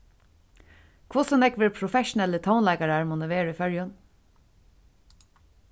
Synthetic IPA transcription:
kʰvʊsɔnɛkʋɪːɹpʰɾʊfɛʃʊnɛlət̪ʰaʊnlaɪkaɹaɹmʊːnəʋeːɹʏfœɹjɔn

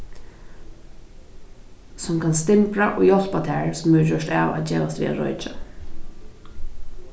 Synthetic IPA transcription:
sʊmkʰanst̪ɪmpɾaʔo̰ːjɔl̥pat̪ʰaːɹsʊmːɛɹd͡ʑɔʂtaːwa̰d͡ʑeːʋast̪vʋḭːa̰ɾɔ̰jt͡ʃa

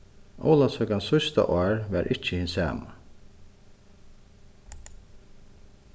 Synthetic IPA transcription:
ʔɔ̰ʊlasœkansʊst̪a̰ʔɔːɹʋɛɾʔɪt͡ʃəhɪnsæ̰ːma

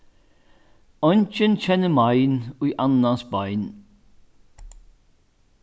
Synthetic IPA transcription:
ɔnt͡ʃənçɛnəmɑɪnoiʔɑnɑsbɑɪn

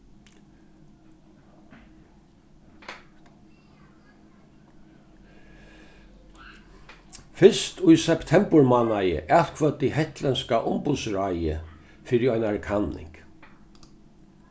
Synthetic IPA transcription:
fɪst̪ʊjsɛpt̪ʰɛmpəɹmanajə̰ʔal̥kʰvœt̪ːɪɦɛht̪lɛnskaʔʊmpʊt̪sɹajə̰ | fiːɾɪɔjnaɹkʰanːɪ̰ŋk

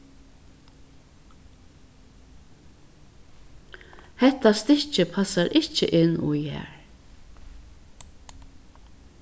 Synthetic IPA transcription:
hɛht̪ast̪ɪht͡ʃɪpʰasaɾʔɪht͡ʃɪ̰ʔɪnːṵjhɛ̰ːɹ

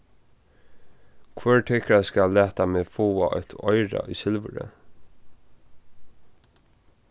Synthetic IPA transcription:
kʰvœːɹʈʰɛkɾaskalːæːt̪ameːfoːaʔɔt̪ʰɔʏɹa̰ʔʏːsɪlʋə̰ɹə̰

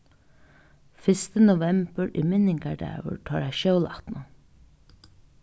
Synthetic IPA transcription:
fɪst̪ənʊʋɛmbəɹʔiːmɪnɪŋɡɑɖa̰ə̰ɹʈʰɑːɹæɪʃœʊlɑ̰t̪nʊ

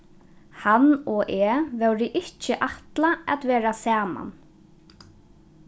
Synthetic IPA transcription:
hanɔʔɛːvœwɾɪʔɪhcːɪʔaht̪laa̰t̪vɛːɾasaːma̰n

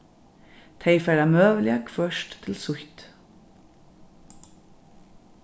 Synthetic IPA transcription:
t̪ʰeɪfæɹɑmøːʋəljɑkfœʃtt̪ʰɪlsʊçt̪

